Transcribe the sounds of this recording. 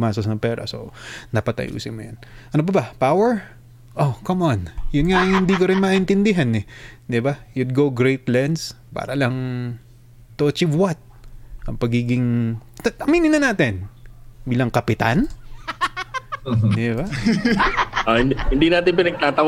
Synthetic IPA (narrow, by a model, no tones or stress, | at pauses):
maːsɐsnɐŋpɛːɾɐ̰so̰nɐpɐt̪ɐ̰jʔṵːsɪ̰nmʊjanʔɐnob̬ɐbɐpawɛɹ | ʔokomʔonjʊnŋaŋhɪnd̪ikoɾɪnmaʔɪnt̪ɪnd̪ɪɦanɛd̪ɪbajʊd̪̚ɡoɡɹejt̪lɛnd̪spa̰ːɾɐlɐŋ | t̪ot͡ʃɪvwat̪̚ʔɐŋpɐɡiːɡɪŋɐɐmiːnɪnːɐnaːt̪ɪnbiːlɐŋkɐpɪt̪an | d̪ɪba | ʔohɪnhɪnd̪inaːt̪ɪnpɪnɐɡ̚t̪aːt̪ɐ